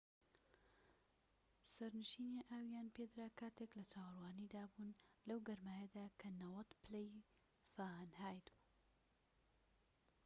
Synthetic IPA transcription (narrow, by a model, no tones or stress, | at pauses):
sɐɾnɨʃiːniʔaːwjaːnped̪ɾaːkʰaːt̪eklɐt͡ʃʰaːwrwaːnid̪aːbunlɐwɡɐɾmaːjɐd̪aːkʰɐnɐwɐt̪plej | faːhnhaːjd̪bu